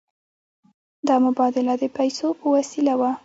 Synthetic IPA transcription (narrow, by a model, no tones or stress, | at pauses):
d̪ɑmʊbɑd̪ɪlad̪əpajsopəwasilawa